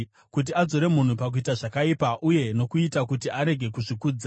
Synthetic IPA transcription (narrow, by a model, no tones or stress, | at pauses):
kut̬iad͡zo̞ɾe̞mun̤upak̬uitaʐakaipaʔuje̞no̞kuitakutiʔaɾe̞ɡʱe̞kuʐikuːd͡za